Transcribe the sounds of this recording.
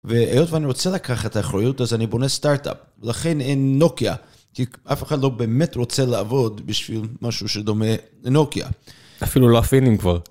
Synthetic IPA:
veejo̞tveaniʁo̞t͡selakaχaet̪aːχɾajutazanibo̞nestaʁta̰p | velaχe̞nenːo̞kia̰ | kiʔafeχad̪lo̞be̞ːme̞tʁo̞t͡selaːvo̞d̪biʃv̥ilmaʃuʃed̪o̞me | no̞kia̰ | afiluloafinimkvaʁ

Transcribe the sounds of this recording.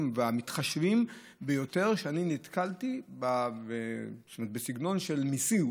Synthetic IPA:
mveamit̪χaʃvim | bejo̞te̞ʁʃeaninit̪kaltibaest̪omt̪̚besiɡno̞nʃe̞lmisi

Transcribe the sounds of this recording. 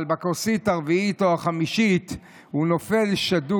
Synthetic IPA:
lbakosit̪aʁviitoaχamiʃit̪ | huno̞fe̞lʃadu

